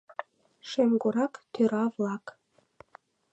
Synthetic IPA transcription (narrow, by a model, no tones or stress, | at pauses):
ʃemɡuɾɑkt̪øɾɑvlˠɑk